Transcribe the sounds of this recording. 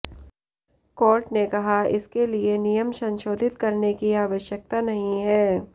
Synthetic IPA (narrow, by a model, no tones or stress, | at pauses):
kɔːɾʈnekɐɦaɪ̰skelienijəmsɐ̃nʃoːd̪ʱɪt̪kɐɾnekiaːʋəʃjək̚t̪anɐɦĩɦɛː